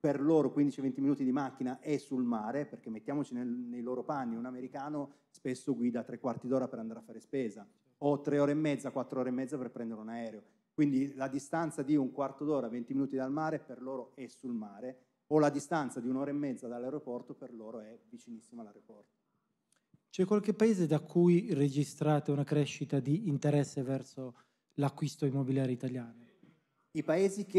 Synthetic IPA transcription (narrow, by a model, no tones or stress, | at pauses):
perloːɾokwind̪it͡ʃivent̪iminuːt̪id̪imak̟ːinaʔɛsːulmaːɾeperk̟emːet̪ːjaːmot͡ʃinenejloːɾopanːiunameɾikaːno | spesːoɡwiːd̪at̪ɾekːwart̪id̪oːɾapeɾand̪aːɾafːaːɾespeːza | ot̪ːɾeoːɾeːmːɛd̪zːakwat̪ːɾooːɾemːɛd̪aperpɾɛnd̪eɾeunaɛːɾeo | kwind̪ilad̪ist̪ant̪sad̪iuŋkwart̪od̪oːɾavent̪iminuːt̪id̪almaːɾeperloːɾoɛsulmaːɾe | olad̪ist̪ant̪sad̪iunoːɾeemːɛd̪zad̪alːaɾopɔrt̪operloːɾoɛvit͡ʃinisːimalaɾeopɔrt̪o̥ | t͡ʃɛkːwalk̟epːaeːzed̪akʰːujred͡ʒist̪ɾaːt̪eunakɾɛʃːit̪ad̪iːnt̪eɾɛsːevɛrso | lakːwist̪oimːobiljaːɾjoit̪aljaːno | ipaeːzik